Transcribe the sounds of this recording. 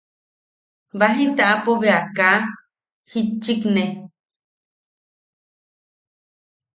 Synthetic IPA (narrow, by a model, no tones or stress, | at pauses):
baɦĩt̪aʔapoβeaka | hit͡ʃːikne